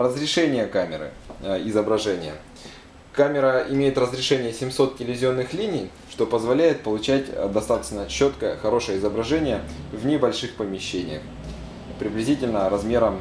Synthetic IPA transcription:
rəzɾʲɪʂɛnʲɪjəkamʲɪ̰ɾɨ̰ɪzəbɾɐʐɛnʲɪjə̰ | kamʲɪɾəɪmʲejɪt̪rəzɾʲɪʂɛnʲɪjəsʲɪmso̞t̪̚tʲɪlʲɪvʲɪzʲo̞nːɨxlʲinʲɪj | ʂt̪o̞pəzvɐlʲæjɪt̪̚pəlˠʊt͡ɕætʲd̪ɐst̪at̪ə̥t͡ɕnət͡ɕo̞t̪kəjəxɐɾo̞ʂəjəɪzəbɾɐʐɛnʲɪjə | vnʲɪbɐlʲʂɨxpəmʲɪɕːenʲɪ̰jə̰x | pɾʲɪblʲɪzʲitʲɪlʲnəɾɐzmʲeɾəm

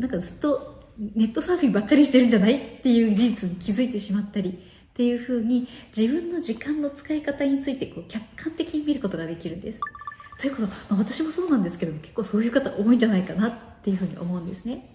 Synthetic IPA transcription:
nãŋkazɨt̪ːo̞ne̞t̪ːo̞saːɸʲibakːaɾʲiɕi̥t̪e̞ɾɯ̟̃ɲd͡ʑanaitt̪ːe̞jɯ̟ːd͡ʑid͡ʑit͡sɨɲ̟ikʲizɨit̪e̞ɕimat̪ːaɾʲi | t̪e̞jɯ̟ːɸɯ̟ːɲ̟id͡ʑibɯ̟̃nːo̞ʑikãnːo̞t͡sɨ̥kaikat̪aɲ̟it͡sɨit̪e̞ko̞ːkʲakʰːãnt̪e̞kʲiɲ̟imʲiɾɯ̟ko̞t̪o̞ɡad̪e̞kʲiɾɯ̟̃nd̪e̞sɨ̥t̪o̞jɯ̟ko̞somaβat̪aɕimo̞so̞ːnãnd̪esɨ̥ked̪omo̞kekːo̞ːso̞ːjɯ̟ːkat̪aʔo̞ːĩɲ̟d͡ʑanaikanat̪ːe̞jɯ̟ɸɯ̟ːɲ̟ḭʔo̞̰mo̞ɯ̟̃nd̪e̞sɨne̞

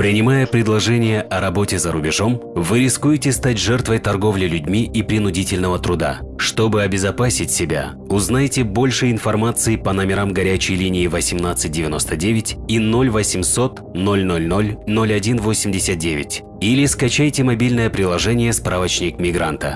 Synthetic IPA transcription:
pɾʲɪnʲɪmajəpɾʲɪd̪lˠɐʐɛnʲɪjəʔɐɾɐbo̞tʲɪzəɾʊbʲɪʐo̞mvɨɾʲɪskujɪtʲɪst̪atʲʐɛrt̪vəjt̪ɐrɡo̞vlʲɪlʲʉdʲmʲiʔipɾʲɪnʊdʲitʲɪlʲnəvət̪ɾʊd̪a̰ʂt̪o̞bɨɐbʲɪzɐpasʲɪtʲsʲɪbʲa̰ | ʊznajtʲɪbo̞lʲʂɨɪnfɐrmat̪sɨɪpɐnɐmʲɪɾamɡɐɾʲæt͡ɕɪjlʲinʲɪːvəsʲɪmnat̪sɨt̚ʲdʲɪvʲɪno̞st̪ədʲevʲɪtʲino̞lʲvəsʲɪmso̞t̪ | no̞lʲno̞lʲno̞lʲno̞lʲɐdʲinvo̞sʲɪmʲdʲɪsʲət̪̚dʲevʲɪtʲ | ilʲɪskɐt͡ɕæjtʲɪmɐbʲilʲnəjəpɾʲɪlˠɐʐɛnʲɪjəspɾavət͡ɕnʲɪkmʲɪɡɾant̪ə̰

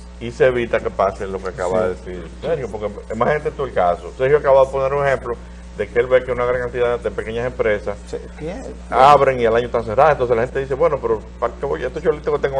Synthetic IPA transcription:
iseeβit̪ake̞paselo̞keakaβaðeðesiɾseɾjopo̞ɾkemãhent̪et̪uelkasosehjoakaβaððeponeɾuŋehẽ̞mplo | ðe̞keelβekeunaɣɾaŋkant̪iðaðepeke̞ɲase̞mpɾe̞saske | aβɾeŋialaɲoet̪aŋseraðoent̪oselahent̪eðise̞βwe̞no̞peɾo | pakeβoet̪ot͡ʃolit̪oket̪eŋɡo

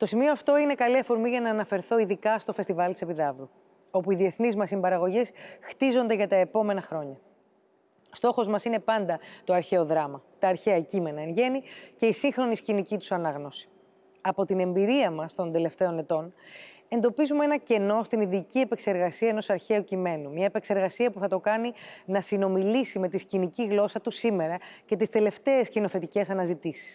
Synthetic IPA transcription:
t̪o̞simio̞ɐft̪o̞ine̞kɐliɐfo̞ɾmiʝɐnɐːnɐfe̞ɾθo̞iðikɐst̪o̞fest̪ivɐlt̪i̥sepiðɐvɾu | o̞puiðie̞θnizmɐsimbɐɾɐɣo̞ʝesxt̪izo̞nd̪eʝɐt̪ɐe̞po̞me̞nɐxɾo̞ɲɐ | st̪o̞xo̞zmɐsine̞pɐnd̪ɐt̪o̞ɐɾçe̞o̞ðɾɐmɐt̪ɐːɾçeɐcime̞nɐenʝe̞nice̞isiŋxɾo̞niscinicit̪u̥sɐnɐɣno̞si̥ | ɐpo̞t̪ine̞mbiɾiɐmɐst̪o̞nd̪e̞le̞ft̪e̞o̞ne̞t̪o̞n | e̞nd̪o̞pizumeenɐce̞no̞st̪iniðicie̞pe̞kse̞ɾɣɐsiɐeno̞sɐɾçe̞ucime̞numɲɐepe̞kse̞ɾɣɐsiɐpuθɐt̪o̞kɐninɐsino̞milisime̞t̪isciniciɣlo̞sɐt̪usime̞ɾɐce̞t̪ist̪e̞le̞ft̪e̞escino̞θe̞t̪ice̞sɐnɐzit̪isi̥s

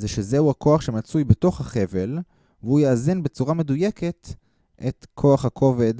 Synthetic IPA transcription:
zeʃezeuakʰo̞aχʃe̞mat͡sujbeto̞χhaχe̞ve̞l | vehujaːzinbe̞t͡suʁame̞duje̞ke̞t | ʔetkʰo̞aχhakʰo̞ved

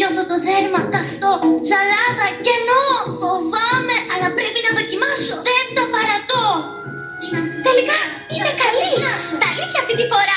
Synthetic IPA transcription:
ɲo̞θot̪o̞ðe̞ɾmɐtɐft̪o̞zɐlɐðɐce̞nofovɐme̞ʔɐlɐpɾe̞pinɐðo̞cimɐso̞ðend̪ɐpɐɾɐt̪o | inɐt̪elikɐ | inekɐlinɐst̪ɐliθçɐːft̪int̪ifo̞ɾɐ

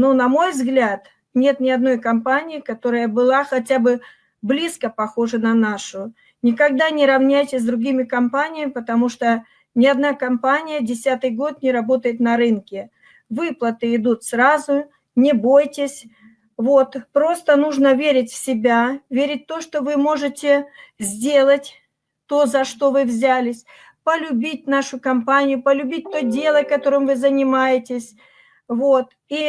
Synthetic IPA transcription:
nonɐmo̞jvzɡlʲat̪ | nʲe̞t̪nʲɪɐd̪no̞jkɐmpanʲɪjɪkɐt̪o̞ɾəjəbɨlˠaxɐtʲabɨ | blʲiskəpɐxo̞ʐɨnɐnaʂʊ | nʲɪkɐɡ̚d̪anʲɪɾɐvnʲæjtʲɪs̬ʲd̪ɾʊɡʲimʲɪkɐmpanʲɪjəmʲɪpət̪ɐmuʂt̪o | nʲɪɐd̪nakɐmpanʲɪjədʲɪsʲat̪ɨjɡo̞t̪nʲɪɾɐbo̞t̪əjɪt̪nɐɾɨnkʲɪ | vɨplˠət̪ɨɪd̪ut̪sɾazʊ | nʲɪbojtʲɪsʲ | vo̞t̪pɾo̞st̪ənuʐnəvʲeɾʲɪt̬ʲfsʲɪbʲavʲeɾʲɪt̚ʲt̪o̞ʂt̪o̞vɨmo̞ʐɨtʲɪzʲdʲe̞lˠətʲ | t̪o̞zɐʂt̪o̞vɨvzʲælʲɪsʲ | pəlʲʊbʲitʲnaʂʊkɐmpanʲɪjʊpəlʲʊbʲit̚ʲt̪ojdʲe̞lˠəkɐt̪o̞ɾɨmvɨzənʲɪmajɪtʲɪsʲ | vo̞t̪ | i

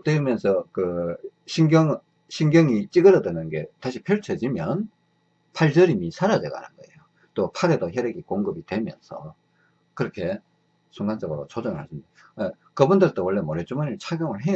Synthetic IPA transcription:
t͈weɯmjʌnsʰʌkɯɕʰiŋɡjʌŋ | ɕʰiŋɡjʌŋit͡ɕ͈iɡɯɾʌdwenɯnɡe̞̰taɕʰipʰjʌɭt͡ɕʰed͡ʑimjʌn | pʰaɭd͡ʑʌɾimisʰaɾadeɡ̰ɦa̰nɯnɡʌe̞̰jo | t͈opʰaɾedoɦjeɾeɡikoŋɡɯbidwe̞mjʌ̰nsʰʌ̰ | kɯɾʌkʰe̞ | sʰuŋɡand͡ʑʌɡɯɾo̰t͡ɕod͡ʑʌŋɯɭhaɕʰimi | ae | kɯbundɯɭt͈owʌɭːemoɾet͡ɕ͈umaɲiɭt͡ɕʰaɡjʌŋɯɭɦe

